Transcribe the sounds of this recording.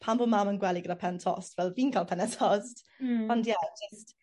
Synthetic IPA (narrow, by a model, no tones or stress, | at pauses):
pʰambomamənɡwɛlˠiɡədapʰɛntʰɔ̰stvɛlˠviːnkʰalˠpʰɛnɛtʰɔst | ɔndjɛd͡ʒəst